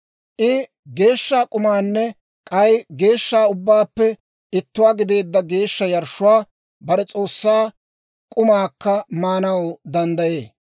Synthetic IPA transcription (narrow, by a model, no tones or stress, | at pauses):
ʔɪ | ɡe̞ːʃːaːkʼʊmaːnːɛ | kʼɐjɡe̞ːʃːaːʊbːaːpːɛ | ɪt̪ːʊwaːɡɪd̪e̞ːd̪ːɐɡe̞ːʃːɐjɐɾʃːʊwaː | bɐɾɛt͡sʼo̞ːsːaː | kʼʊmaːkːɐmaːnɐwd̪ɐnd̪ɐje̞ː